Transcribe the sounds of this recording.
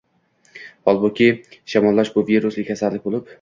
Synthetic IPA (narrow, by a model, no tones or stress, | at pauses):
ɒlˠbokʲʰiʃamɒlˠːaʃbʊviɾʊslɪkʲasaɾlɪk̚ʲbolˠɪp